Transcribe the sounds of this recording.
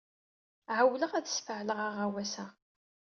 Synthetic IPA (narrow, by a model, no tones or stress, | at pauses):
ʕəwləʁæðəsfəʕləʁaʁæwæsæ